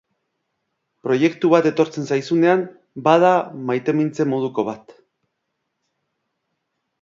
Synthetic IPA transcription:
pɾo̞je̞kt̪uβ̞at̪e̞t̪o̞ɾt͡se̞nsajsune̞am | bað̞amajt̪e̞mint͡se̞mo̞ð̞uko̞β̞at̪

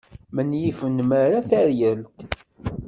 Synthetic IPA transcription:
mənjifənmaɾaθæɾjəlt̪

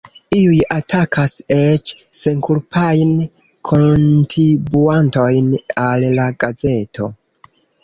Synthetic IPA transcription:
iujatʰakʰaset͡ʃse̞ŋkuɾpʰajn | kʰontɾibuanto̞jnallaɡaze̞tʰo̞

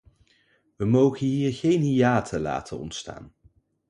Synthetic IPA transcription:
ʋəmowχənɦiːɹχejnɦijaːtʰəla̰ːtʰənɔ̰ntsta̰ːn

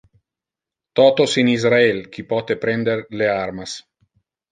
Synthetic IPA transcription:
t̪ɔt̪osinizɾaelk̟ipɔt̪epɾɛnd̪erlearmas

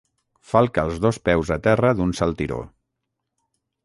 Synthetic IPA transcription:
falˠkəːlˠzðospɛwzət̪ɛrəðunsalˠt̪iɾo̰

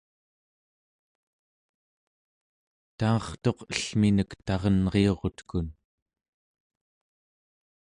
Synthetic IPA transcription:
t̪ɑːχt̪o̞qəɬminəkt̪ɑʁʌnʁeo̞ʁo̞t̪kun

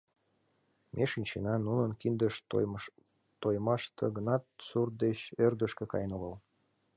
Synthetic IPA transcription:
mʔeʃinʲt͡ɕenɑnunənkind̪əʃ | t̪ojmɑʃt̪ʰɤɣənɑt̪surt̪̚d̪et͡ɕørd̪əʃkekɑ̰jənoɣəl

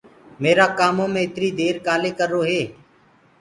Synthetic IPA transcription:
meːɾaːkaːmõːmẽːɪt̪ɾiːd̪eːɾkaːleːkəɾːoːɦeː

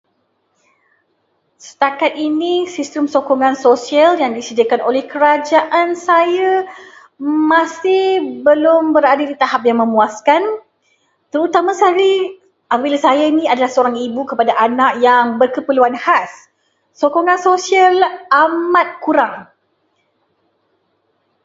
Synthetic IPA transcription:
sə̥t̪akat̪̚inĩsist̪əmsokɔŋãnsosialjaŋdisədiakanʔolɛhkəɾad͡ʒaʔansaja | mãsɪhbəlʊmbəɾadədit̪aɦap̚jaŋmə̃muaskan | t̪əɾut̪amasaɾi | ʔapəbilasajainĩadalahsəoɾaŋibukəpadaʔanaʔjaŋbərkəpəluanhasː | okoŋãnsosialamat̪̚kuɾaŋ

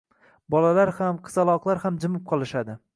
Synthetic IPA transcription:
bɒlalaɾhamqʰɨ̥zalˠɒqlˠaɾhamd͡ʒɪmɪp̚qʰɒlˠɪʃad̪ɪ

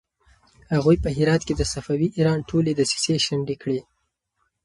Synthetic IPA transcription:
haɣujpəɦɪɾɑt̪̚ked̪əsafawiʔiɾɑnʈʰoled̪əsi̥seʃaɳɖekɽi

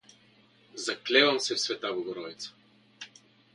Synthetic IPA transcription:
zaklɛvamsɛfsvɛt̪avɔɡɔɾɔit̪sə̥

